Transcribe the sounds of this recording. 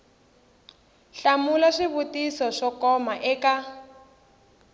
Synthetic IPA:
ɬamulaʂiβutisɔʂɔkɔmaʔɛka

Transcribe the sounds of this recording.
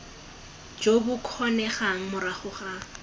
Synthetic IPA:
d͡ʒobʊkʰɔnɛχaŋ̩mʊɾaχʊχa

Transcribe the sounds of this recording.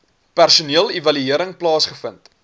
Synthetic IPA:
pærsuniəlˠivɐlyiəɾəŋplɑːsχəfənt

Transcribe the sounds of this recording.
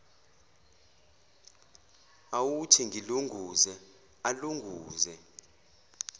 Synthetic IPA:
awutʰiŋɡʱiluŋɡʱuzɛ | aluŋɡʱuːzɛ

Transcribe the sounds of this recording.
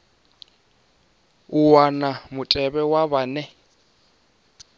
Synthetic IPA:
uwanamʊtʼɛβɛwaβanɛ

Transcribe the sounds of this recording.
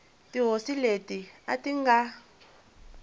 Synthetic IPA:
tiɦosiletiatiŋɡa

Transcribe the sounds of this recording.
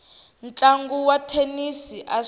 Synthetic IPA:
nt͡ɬʼaŋɡuwatʰenisiʔa

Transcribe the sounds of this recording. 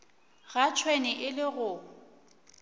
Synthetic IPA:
ɣat͡ʃʰwenɪʔɪlɪɣʊ

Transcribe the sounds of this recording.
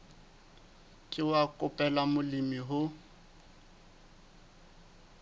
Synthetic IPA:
kʼɪwakʼʊpʼɛlamʊlimiɦʊ

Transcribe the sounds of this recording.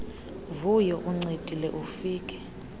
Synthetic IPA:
vujɔʔuŋ͡ǀetʼilɛʔufiːkʼɛ̥

